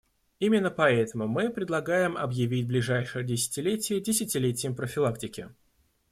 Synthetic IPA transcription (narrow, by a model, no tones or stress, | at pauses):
imʲɪnːəpɐɛt̪əmʊmɨpɾʲɪd̪lˠɐɡajɪmɐ̰bjɪvʲitʲblʲɪʐajʂɨjədʲɪsʲɪ̥tʲɪlʲetʲɪjədʲɪsʲɪtʲɪlʲetʲɪjəmpɾəfʲɪlˠaktʲɪkʲɪ